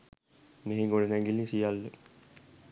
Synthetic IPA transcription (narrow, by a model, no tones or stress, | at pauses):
neɦeɡoɽənæŋɡilisijalːə